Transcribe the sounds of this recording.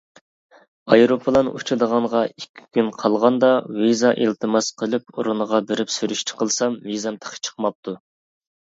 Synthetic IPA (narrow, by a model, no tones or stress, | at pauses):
ɑjɾopʰəlˠɑnṵt͡ʃʰɨd̪əʁɑɴʁɑikʲʰːi̥kʲynqʰɑlˠʁɑnd̪ɑvizɑʔilt̪ʰɨmɑsqʰəlˠɨpuɾʊnəʁɑbɪɾɪpsyɾyʃt͡ʃʰɪ̥qʰəlˠsɑmvizɑmt̪ʰə̥qʰə̥t͡ʃʰə̥qmɑp̚t̪ʰu